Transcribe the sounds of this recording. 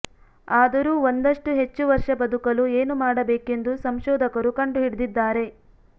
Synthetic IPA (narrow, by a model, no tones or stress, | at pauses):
aːd̪ɐɾuːond̪ɐʂʈuɦe̞t͡ʃːuʋɐɾʂɐbɐd̪ukɐlueːnumaːɽɐbeːke̞nd̪usɐmʃɔːd̪ʱɐkɐɾukɐɳɖuɦiɽud̪id̪ːaːɾe̞